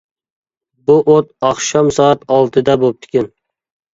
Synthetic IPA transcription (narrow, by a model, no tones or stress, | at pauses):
buʔot̪̚ɑχʃɑmsɒɑt̪ɑlˠt̪ʰɨd̪abop̚t̪ʰɪ̥kʲɪn